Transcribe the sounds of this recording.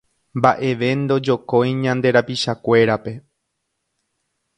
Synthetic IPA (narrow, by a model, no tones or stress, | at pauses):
mbaʔe̞ʋe̞nd̪o̞d͡ʒo̞kojɲãnd̪e̞ɾapiʃakʷe̞ɾape̞